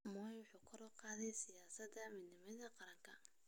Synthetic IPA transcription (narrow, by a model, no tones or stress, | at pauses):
mɔːjwʊħuːkʰɐɾɔqɑːðɛjsɪjaːsɐd̪ɐmɪd̪nɪmɐðɐqɑɾɐŋkʰɐ